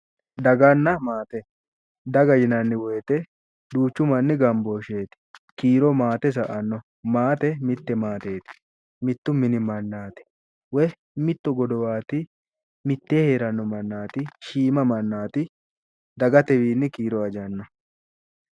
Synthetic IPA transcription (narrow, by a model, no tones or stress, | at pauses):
d̪ɐɡɐnːɐmaːt̪ɛ | d̪ɐɡɐjɪnɐnːɪweːt̪ɛ | d̪uːt͡ʃːʊmɐnːɪɡɐmboːʃe̞ːt̪ɪ̥kiːɾɔmaːt̪ɛs̬ɐʔɐnːɔ | maːt̪ɛmɪt̪ːɛmaːt̪e̞ːt̪ɪ̥ | mɪt̪ːʊmɪnɪmɐnːaːt̪ɪ̥ | wɛ | mɪt̪ːɔɡɔd̪ɔwaːt̪ɪ | mɪt̪ːeːheːɾɐnːɔmɐnːaːt̪ɪʃiːmɐmɐnːaːt̪ɪ | d̪ɐɡɐt̪ɛwiːnːɪkiːɾɔɐd͡ʒɐnːɔ